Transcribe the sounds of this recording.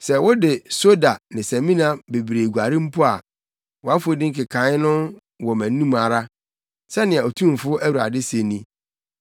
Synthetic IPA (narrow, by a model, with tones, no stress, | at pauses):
sɛ˨wɔ˦dɪ˨so˦da˨nɪ̃˨sæ̃˨mĩ˦nã˦be˨bɾe˨ɡu˨a˨ɾɪ̃˦m̩˦pʰʊ˦a˨ | wɔ˨a˦fʊ˦dɪ̃˦ŋ̩˦kɪ˨kʰã˨˦ɪ˦nʊ̃˦n | wɔ˨mæ̃˨n˦nũ˦ma˨ɾa˦ | sɛ˦nɪ̃˨ã˨o˨tʰũ˦m˨fʊ˦ʔæ˦wu˨ɾa̰˨dɪ˦se˨nĩ˦